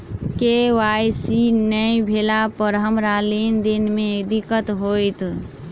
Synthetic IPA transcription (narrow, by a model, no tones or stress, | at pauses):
keʋajsinəjbʱelapəɾɦəmɾalend̪inmeed̪ikət̪ɦojt̪